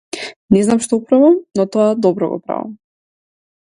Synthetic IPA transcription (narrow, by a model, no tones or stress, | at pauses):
nɛznamʃt̪ɔpɾavamnɔt̪ɔad̪ɔbɾɔ̰ɡɔ̰pɾa̰va̰m